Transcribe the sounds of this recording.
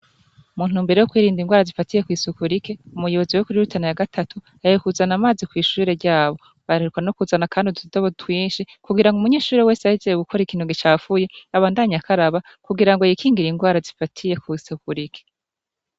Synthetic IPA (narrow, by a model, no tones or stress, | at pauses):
muːn̥uːmbe̞ɾe̞jokwiːɾiːndiŋɡwaːɾazifatije̞kwiːsukuɾike̞umujo̞βo̞ziwokuɾiɾutʰanajaɡatʰatu | ajokuzanamaːzikwiːʃuːɾe̞ɾɟaːβo̞ | βaɾeɾukwanokuzanakʰaːndiduttoβotwiːnʃi | kuɡiɾaŋɡumuɲeːʃuːɾe̞weːseahizejuɡukoɾikiːn̥hoɡit͡ʃaːfuje̞aβaːndaːɲakʰaɾaβa | kuɡiɾaŋɡojikʰiːŋɡiɾiŋɡwaːɾazifatʰije̞kwisukuɾikʰe̥